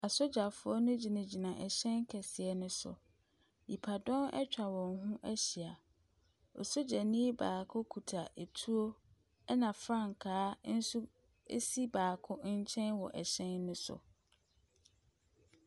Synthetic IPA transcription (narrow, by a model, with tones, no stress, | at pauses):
a˨so˦d͡ʑa˨fʊ˦ɔ˦nʊ̃˦d͡ʑi˨nã˨d͡ʑi˨nã˨ʔɛ˨ɕɛ̃˦nkʰɛ˨sɪ˨ɛ˦nʊ̃˦sʊ̰˨ | ji˨pʰa˨dɔ̃˦nɛ̰˦t͡ɕᶣa˨wɔ̃˨ŋɦũ˦ʔɛ˦ɕi˨a˨ | ɔ˨so˦d͡ʑa˨nĩ˦baː˨kʰʊ˦kʰu˨tʰa˨ʔe˨tʰu˦o˦ | nã˨fɾã˦˨ŋ˨kʰaː˦n̩˦su˦ | ḛ˦si˦baː˨kʰʊ˦ɲ̩˦t͡ɕʰɛ̃˦nwɔ˨ʔɛ˨ɕɛ̃˦nːʊ̃˦sʊ̰˨